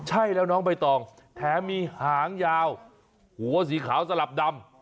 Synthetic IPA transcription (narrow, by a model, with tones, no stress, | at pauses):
t͡ɕʰa˥˩jlɛː˦˥˩wnɔː˦˥ŋp̬a˧jt̪ɔː˨˩ŋ | t̪ʰɛː˨˦miː˧haː˨˩˦ŋjaː˧w | hu˩˦ɐs̬iː˩˦kʰaː˩˦wsa˧la˨˩p̚da˧m